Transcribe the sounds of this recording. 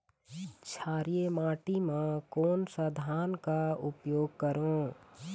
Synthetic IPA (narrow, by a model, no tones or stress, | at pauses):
t͡ʃʰaːɾijemaːʈimãkoːnsəd̪ʱaːnkaʊpjoːɡ̚kəɾõ